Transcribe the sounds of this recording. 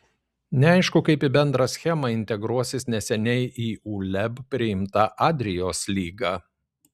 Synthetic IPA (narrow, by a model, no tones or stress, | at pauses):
nʲɛɐɪʃkʊkɐɪpɪbʲɛnd̪ɾɐsʲxʲɛmɐɪnʲt̪ʲɛɡɾuɔsʲɪsnʲɛsʲɛnʲɛɪʔiːuːlʲɛbpʲɾʲɪɪmt̪ɐʔɑːd̪ʲɾʲɪjoːslʲiːɡɑː